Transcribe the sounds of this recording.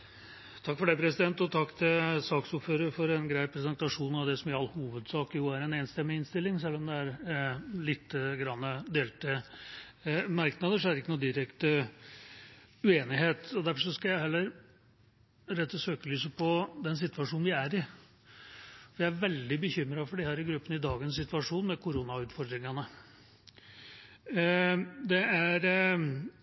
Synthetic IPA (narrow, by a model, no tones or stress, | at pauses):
t̪ʰɑkːfɔɖæɪpʰɾɛsɪd̪ɛnt̪ɔt̪ʰɑkːt̪ʰɪlsɑːksʊɾføːɾəɾfɔɾɛnɡɾæɪpʰɾɛsɛnt̪ɑʂuːn̩ɑʋd̪ɛsɔmɪɑlːhuːʋəd̪sɑːkjuːæɾɛneɛːnst̪ɛmːɪɪnst̪ɪlːɪŋsɛlːɔmd̪ɛæɾlɪt̪ːəɡɾɑnːəd̪eːlt̪ə | mɑɾknɑd̪əʂ̬ɔæɾəɪkːənuːd̪ɪɾɛkt̪ə | ʉeːnɪɦeːt̪ɔd̪æɾfɔʂ̬ɔskɑjæɪhɛlːəɾ | ɾɛt̪ːəsøːkəlyːsəpʰɔd̪ɛns̬ɪt̪ʋɑʂuːnʋɪæɾɪ | fɔjæɪæɾʋɛld̪ɪbəçʏmːɾɑfɔɖɪhæːɾɪɡɾʉpːənəɪd̪ɑːɡənsɪt̪ʋɑʂuːnmɛkʰʊɾuːnɑʉːt̪fɔɾd̪ɾɪŋɑnə | d̪ɛæɾ